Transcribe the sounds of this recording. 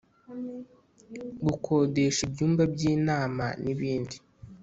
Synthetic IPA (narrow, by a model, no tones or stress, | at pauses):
ɡukʰoːde̞ʃibjuːmbabjiːnaːma̰niβiːndi